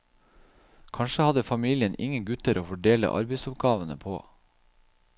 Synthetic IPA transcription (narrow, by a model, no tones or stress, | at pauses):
kʰɑɳʃəhɑd̪əfɑmiːlɪənʔɪ̰ŋəɡʉt̪əɾoːfɔɖeːlə̰ʔɑ̰ɾbəɪsʊp̚ɡɑːʋənə̰pʰo̰ː